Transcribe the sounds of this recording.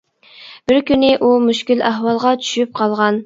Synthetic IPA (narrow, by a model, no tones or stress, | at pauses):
b̥ɪɾkʲynɪʔumyʃkʲilæɦwɑlˠʁɑt͡ʃʰy̥ʃyp̚qʰɑlˠʁɑn